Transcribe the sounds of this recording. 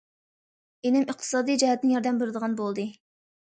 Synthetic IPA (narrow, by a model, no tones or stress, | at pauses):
enɪməχt̪ʰɨ̥sɑːd̪ijd͡ʒɛhɛt̪njɑɾd̪ɛmbeɾɪd̪əʁɑnbolˠd̪ɨ